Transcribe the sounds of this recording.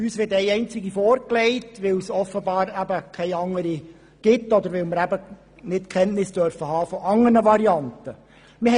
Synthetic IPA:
yːsʋɪtɛɪɛɪnt͡sɪɡifɔːɾklɛɪtʋɪlsɔfəbɑːɾæbəkʰɛɪɑŋːəɾi | ɡ̥ɪtːɔd̪əɾʋɪlməɾæbə | nɪtkʰɛntnɪsd̥œɾfəhɑːfɔʔɑŋːənəʋɑɾiɑntə | mɪ

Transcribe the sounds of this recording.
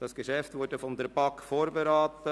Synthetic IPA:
d̥ɑsɡ̥əʃɛftʋʊːɾdəfɔnd̪ɛɾb̥ɑkfoːɾbeɾaːt̪ə

